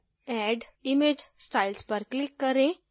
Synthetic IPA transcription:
ɛɖimed͡ʑsʈailspəɾklikːəɾẽ

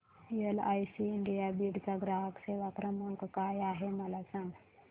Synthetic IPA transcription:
iela̰jsiɳɖijabiɽt͡saɡɾaɦəkseʋakɾəməŋkkajaɦeməlasãŋɡ

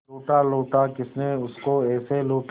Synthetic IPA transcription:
oːʈaloːʈakɪsneʊskoɛːseloːʈ

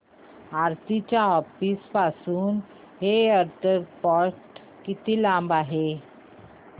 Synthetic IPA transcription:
aɾt̪it͡ɕjaɦɔfispasuːn | ɦeəɾt̪əɾpɔɾʈ | kit̪iːlãmbaɦe

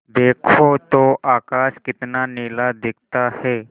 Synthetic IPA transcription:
d̪eːkʰot̪oʔakaʃkɪt̪nanilad̪ɪk̚ʰt̪ahe

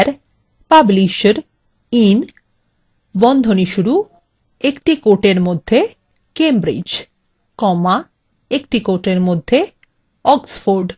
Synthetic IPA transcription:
ɾ | pabliʃɾ | in | bɔnd̪ʱoniʃuɾu | ekʈikoʈeɾmod̪ʱːe | kembɾḭd͡ʑ | kɔma | ekʈikoʈeɾmod̪ʱːe | ɔksfoɾɖ

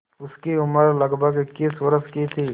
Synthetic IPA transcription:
ʊskiʊməɾləɡbʱəɡɪkːiːswəɾəskit̪ʰiː

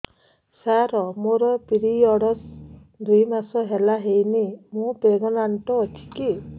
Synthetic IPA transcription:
saɾɔmoɾɔpiɾiɔɽɔsd̪ujmasɔɦelaɦejnimũpeɡɔnaɳʈɔːt͡ʃʰi̥ki

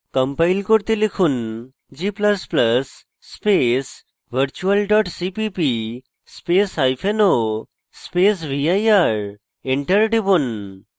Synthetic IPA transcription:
kɐmpajlkoɾt̪ilikʰun | d͡ʒiːplɐsplɐsː | pes | ʋɐɾt͡ʃuɐlɖɔːʈsipipi | speːsajpʰeno | speːs̬ʋiajaɾ | iɳʈɐɾɖibun

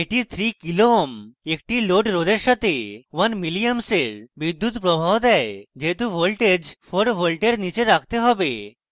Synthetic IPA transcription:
eʈit̪ʰɾikilomekʈiloʈɾodeɾʃat̪ʰewanmilijamseɾbid̪ːut̪pɾobʱawd̪ɛed͡ʑeɦt̪uʋolʈed͡ʑpʰɔɾʋolʈeɽnit͡ɕeɾak̚ʰt̪eɦɔbe

